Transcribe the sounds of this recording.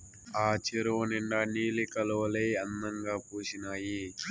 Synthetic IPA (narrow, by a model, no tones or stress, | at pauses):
aːt͡ʃiɾoniɳɖɐniːlikɐloɐlejɐnːɐŋɡaːpuːʃinaːji